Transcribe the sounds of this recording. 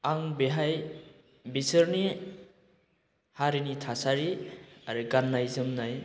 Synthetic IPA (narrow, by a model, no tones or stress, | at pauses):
aŋbeɦaj | bisɯɾni | haɾinitʰasaɾiaɾɯɡanːajzɯmnaj